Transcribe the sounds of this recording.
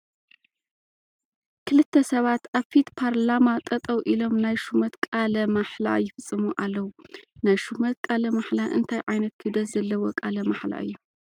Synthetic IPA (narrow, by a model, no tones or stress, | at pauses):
kʰɨlɨt̪ʰːɐsɐβat̪aβfit̪pʰaɾlamat̪ʼɐt̪ʼɐwʔilo̞mnajʃumɐt̪kʼalɐmaħla̰jɪfɨt͡sʼːɨmuʔalːɐwunajʃumɐt̪̚kʼalɐmaħlaʔɨnt̪ʰajʕajnɐt̪̚kʰɨd̪ɐszɐlːɐwɔkʼalɐmaħla̰ʔɨ̰jːu